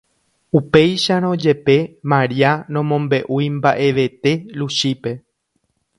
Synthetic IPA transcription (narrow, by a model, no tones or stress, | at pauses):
upe̞jʃaɾ̃õd͡ʒe̞pe̞mãɾianõ̞mõ̞mbe̞ʔujmbaʔe̞ʋe̞t̪e̞luʃipe̞